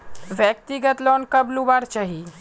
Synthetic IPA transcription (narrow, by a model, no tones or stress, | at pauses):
ʋjək̚t̪iɡət̪lɔːnkəblubaɾt͡ʃaɦi